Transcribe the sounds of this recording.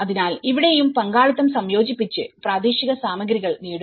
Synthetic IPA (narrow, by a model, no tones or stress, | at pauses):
ɐðinaːliʋiɽe̞jumpɐŋɡaːɭɐt̪ːɐmsɐmjo̞ːd͡ʑipːit͡ɕːɨpraːd̪iːɕiɣɐsaːmɐɡɾiɣɐɭniːɽu